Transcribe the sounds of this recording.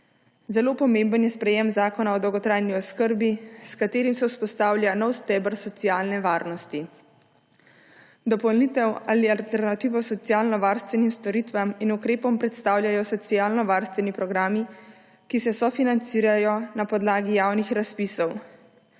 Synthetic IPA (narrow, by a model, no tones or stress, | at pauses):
zɛlopɔmẽmbənjɛspɾɛjemzaːkɔnaɔd̪ɔwɡɔt̪ɾajniɔskəɾbiskat̪eːɾimsɛuspɔst̪aːwlʲjanɔwst̪ɛːbəɾsɔt̪sijaːlnɛʋaːɾnɔst̪i | d̪ɔpɔlnit̪ɛwalialt̪ɛɾnat̪iːʋɔsɔt̪sijaːlnɔʋaːɾst̪ʋɛnimst̪ɔɾit̪ʋaminukɾeːpɔmpɾɛt̪st̪aːwlʲjajɔsɔt̪sijaːlnɔʋaːɾst̪ʋɛnipɾɔɡɾaːmi | kisɛsɔfinant̪siːɾajɔnapɔd̪laːɡijaːwnixɾaspisɔw